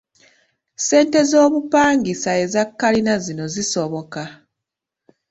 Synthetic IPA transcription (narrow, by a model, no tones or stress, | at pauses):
se̞ːnte̞zo̞ːβupaːŋɡisae̞zakːalinazino̞ziso̞βo̞ka